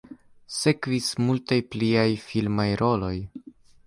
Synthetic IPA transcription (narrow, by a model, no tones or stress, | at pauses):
se̞kvismultajpliajfilmajɾo̞lo̞j